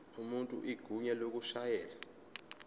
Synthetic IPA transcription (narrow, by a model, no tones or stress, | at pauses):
umuntʼṵʔiɡ̥ʱuɲɛlok̬uʃajɛːla